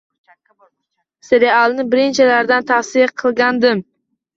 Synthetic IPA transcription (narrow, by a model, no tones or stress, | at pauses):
seɾealˠnɪbɪɾɪnt͡ʃʰalaɾd̪ant̪ʰafsɪjaqʰɨlˠɡʲand̪ɪm